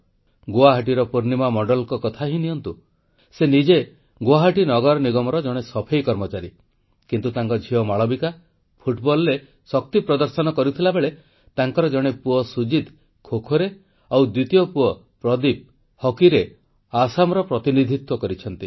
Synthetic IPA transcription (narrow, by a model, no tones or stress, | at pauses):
ɡoaɦaʈ̬iɾɔpuɾnimamɔɖɔlkɔkɔt̪ʰaɦiniɔnt̪u | senid͡ʒe | ɡoaɦaʈinɔɡɔɾɔniɡɔmɔɾɔd͡ʒɔɽ̃esɔpʰejkɔɾmɔt͡ʃaɾi | kint̪ut̪aŋkɔd͡ʒʱiɔmaɭɔbika | pʰuʈbɔlɾe | sɔk̚t̪ipɾɔd̪ɔɾsɔnɔkɔɾut̪ʰilabeɭe | t̪aŋkɔɾɔd͡ʒɔɽ̃epuɔsud͡ʒid̪ | kʰokʰoɾe | awd̪wit̪ijopuɔ | pɾɔd̪ip̚ | hɔkiɾe | asamɔɾɔpɾɔt̪inid̪ʱit̪wɔkɔɾit͡ʃʰɔnt̪i